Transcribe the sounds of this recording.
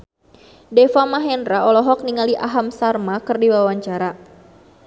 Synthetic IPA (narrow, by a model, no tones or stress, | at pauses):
dɛfamaɦɛndɾaɔlɔɦɔk̚niŋaliʔaɦamsarmakɨrdiwawaɲt͡ʃaɾa